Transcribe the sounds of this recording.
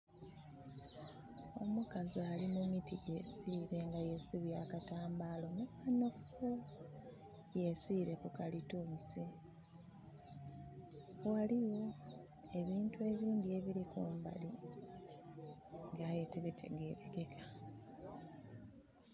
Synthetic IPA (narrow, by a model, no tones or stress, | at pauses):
o̞mukazialimumitije̞siːɾe̞ŋɡajesiβjaːkataːmbalo̞musanof | je̞siːɾe̞kukalitumisi | waliwo̞ | e̞βiːntue̞βiːŋɡie̞βiɾikuːmba̰li | ŋɡaːjetiβitʰe̞̰ɡe̞ːɾeɡe̞kʰḁ